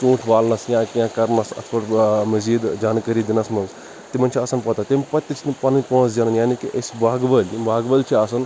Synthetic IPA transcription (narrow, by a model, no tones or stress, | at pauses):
sũːʈʰʋaːlnɐsjãːkãkɐɾnɐsɐ̰t̪ʰʋɐɾmɐziːd̪d͡ʒaːnkɐɾid̪inɐsmɐnz | t̪imɐnʲt͡ʃʰiɐsɐnpɐt̪aːt̪ʲimʲpɐt̪ʲːit͡ʃʰinipɐnnʲpõːt͡sd͡ʒʲɐnɐnjaːnikiʔɐsbaːɡʋɐlʲimʋaːɡbɐlt͡ʃʰiasɐn